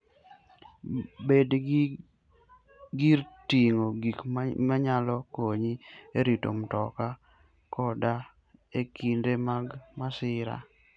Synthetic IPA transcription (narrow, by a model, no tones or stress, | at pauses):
bed | ɡiɾtiŋoɡikmaɲalɔkoɲieɾito̰mtɔka | kɔda | ekindemaɡmasɪɾa̰